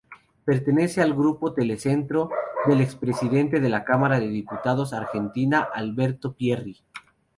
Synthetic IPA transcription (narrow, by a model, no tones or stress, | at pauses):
pe̞ɾt̪e̞ne̞se̞alɣɾupo̞t̪e̞le̞se̞nt̪ɾoðe̞lekspɾe̞siðe̞nt̪e̞ðe̞lakamaɾaðe̞ðiput̪að̞o̞saɾxe̞nt̪inaʔalβe̞ɾt̪o̞pjeri